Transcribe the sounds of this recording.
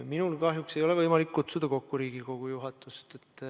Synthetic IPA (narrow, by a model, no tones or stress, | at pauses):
minulkɑɦjuksejo̞levɤjmɑlikːut̪sud̪̥ɑko̞kːuɾiːɡiko̞ɡ̥ujuɦɑt̪ːˑust̪et̪ːˑ